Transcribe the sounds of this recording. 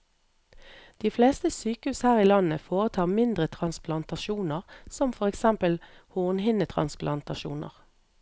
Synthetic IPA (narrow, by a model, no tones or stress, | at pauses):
d̪̥iːfleːst̪əsyːkəhʉːshæːʁiːlɑnəfoːʁət̪ʰɑːʁmɪnd̪ʁət̪ʰʁɑnsplɑnt̪ɑʃuːnəʁsɔmfɔʁɛksɛmpəlhuːʁnhɪnət̪ʰʁɑ̰nsplʔɑnt̪ɑʃṵːnə̰ʁ